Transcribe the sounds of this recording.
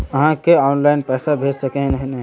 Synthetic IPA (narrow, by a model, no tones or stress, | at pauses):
ɐɦãkeɔːnlaːɪnpɛːsabʱeːd͡ʒsɐkẽnɐɦinɐɦ